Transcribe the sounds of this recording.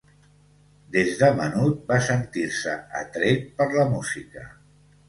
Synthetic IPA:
d̪ezðəmənut̪̚basənt̪iɾsə̰ə̰t̪ɾet̪pəɾləmuzikə

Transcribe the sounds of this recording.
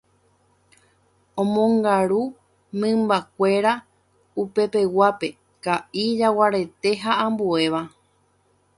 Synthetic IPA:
õmõ̞ŋɡaɾu | mɨ̃mbakʷe̞ɾa | upe̞pe̞wape̞ | kaʔid͡ʒawaɾe̞t̪e̞ɦaʔãmbue̞ʋa

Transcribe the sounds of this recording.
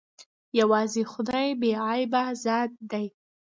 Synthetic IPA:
jawɑzexʊd̪ɑjbeɑjbazɑd̪̚d̪aj

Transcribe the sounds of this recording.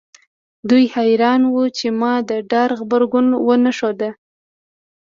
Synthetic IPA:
d̪ujhajɾɑnwut͡ʃemɑd̪əɖɑɾɣbaɾɡʊnwənaʃod̪ə

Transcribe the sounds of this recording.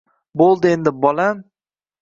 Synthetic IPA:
bolˠd̪ɪe̞nd̪ɪbɒlam

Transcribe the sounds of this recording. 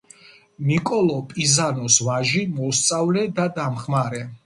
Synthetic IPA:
mikʼɔlˠɔpʼizanɔsvaʒimɔst̪sʼavlɛd̪ad̪amχmaɾɛ

